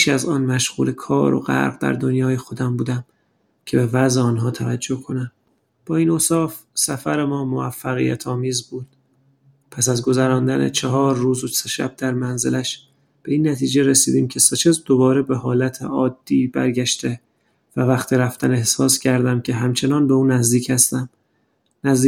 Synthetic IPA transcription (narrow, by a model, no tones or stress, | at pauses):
iʃæzɒːnmæʃɣṵːle̞kʰɒ̰ːɾo̰ɢæ̰ɾʁd̪æ̰ɾd̪o̞njɒːjexo̞d̪æmbuːd̪æm | cʰe̞bevæzeɒːnɦɒːt̪ʰævæd͡ʒːo̞hkʰo̞næm | b̥ɒːiːnoːsɒːf | sæfæɾemɒːmo̞æfːæɣḭjæ̰t̪ʰɒːmiːzbuːd̪̥̚ | pʰæsæzɡo̞zæɾɒːnd̪ænḛt͡ʃʰeɦɒːɾːuːzoseʃæ̰b̚d̪æɾmænze̞̰læʃ | b̥e̞iːnːæt̪ʰiːd͡ʒe̞ɾesiːd̪iːmcʰe̞set͡ʃʰezd̪o̞bɒːɾebe̞hɒːlæt̪ʰḛʔɒːd̪̥ːiːbæ̰ɾɟæʃt̪e̞ | vævæχt̪ʰiɾæft̪æne̞hsɒːscʰæɾd̪æmcʲʰe̞ɦæmt͡ʃʰe̞nɒːnbe̞uːnæzd̪iːcʰæst̪æm | næz